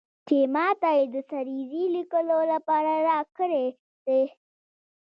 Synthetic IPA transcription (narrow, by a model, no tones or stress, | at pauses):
t͡ʃemɑt̪ajed̪əsaɾizilikəlolapɑɾaɾɑkəɾe | d̪̥e